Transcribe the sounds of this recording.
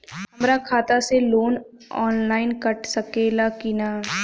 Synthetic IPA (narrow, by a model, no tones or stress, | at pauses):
ɐmɾakʰaːt̪aseloːn | ɔːnlaːɪnkɐʈsɐkeːlakɪnaː